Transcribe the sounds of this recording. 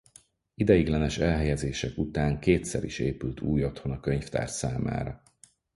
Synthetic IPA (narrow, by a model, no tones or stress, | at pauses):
id̪ɛjiɡlɛnɛʃɛlɦɛjɛzeːʃɛkut̪aːŋkeːt̪sɛ̰ɾḭʃeːpylt̪ʰuːjo̞t̪ho̞nɒkøɲft̪a̰ːrt̪saːma̰ːɾɒ